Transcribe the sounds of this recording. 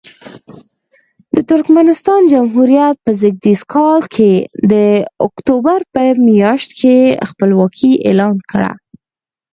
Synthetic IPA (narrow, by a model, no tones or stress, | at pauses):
d̪ət̪ʊɾkmanɪst̪ɑnd͡ʒamɦuɾjat̪̚pəzɪɡ̚d̪iskʰɑlkʰed̪əʊkt̪obaɾpəmijɑʃt̪kʰexpəlwɑkʰiʔḛlɑnkəɽa̰